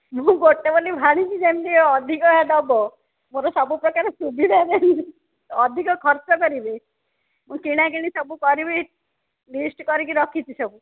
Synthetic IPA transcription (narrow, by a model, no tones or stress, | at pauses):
mũɡoʈebolibʱaɽ̃it͡ʃʰid͡ʒemliɔd̪ʱikɔɦad̪ɔbɔ | moɾɔsɔbupɾɔkaɾesubid̪ʱad̪eni | ɔd̪ʱikɔkʰɔɾt͡ʃɔkɔɾibʱi | mũkiɽ̃aɡiɽ̃isɔbukɔɾibi | lisʈkɔɾik̬iɾɔkʰit͡ʃʰisɔbu